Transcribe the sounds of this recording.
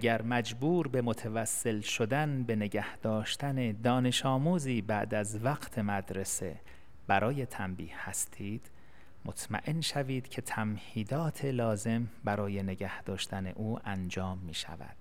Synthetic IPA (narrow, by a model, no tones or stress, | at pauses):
ʔæɟæɾmæd͡ʒbuːɾbe̞mot̪ʰevæsːe̞lʃod̪ænbe̞ne̞ɟæhd̪̥ɒːʃt̪æne̞d̪ɒːne̞ʃɒːmuːziːbæʔd̪æzvæɡt̪ʰe̞mæd̪ɾe̞se̞̰ | b̥æɾʔɒːje̞t̪ʰæmbiːhhæst̪ʰiːd̪̥ | mot̪ʰmæ̰ʔe̞nʃæviːd̪̥cʰe̞t̪ʰæmhiːd̪ɒːt̪ʰe̞lɒːze̞mbæɾɒːje̞ne̞ɟæhd̪̥ɒːʃt̪ʰæne̞̰ʔuːʔænd͡ʒɒːmːiːʃæ̰væ̰d̪̥